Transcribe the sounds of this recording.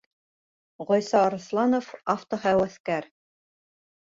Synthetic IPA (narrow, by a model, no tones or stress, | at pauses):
ʁɒjsɑɾɤ̆slˠɑnofaft̪oɦæwæθkæɾ